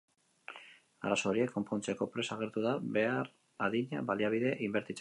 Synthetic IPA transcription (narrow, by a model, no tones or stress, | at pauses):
a̰ɾaso̞ɾie̞kːo̞mpont͡seko̞pɾe̞saɣ̞e̞ɾt̪uðaβe̞aɾ | aðiɲa̰βaliaβ̞iðe̞ʔimbe̞ɾt̪it͡s